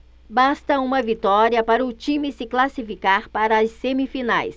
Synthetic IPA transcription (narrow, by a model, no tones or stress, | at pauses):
bast̪ɐũmɐvit̪ɔɾiɐpaɾɐʊt͡ʃĩmɪsɪklasifikaɾpaɾɐɐsːemifinajs